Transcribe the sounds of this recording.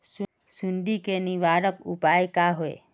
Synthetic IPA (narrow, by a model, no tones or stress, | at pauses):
s | sunɖ̪ikeniʋaːɾəkupaekaɦoḛ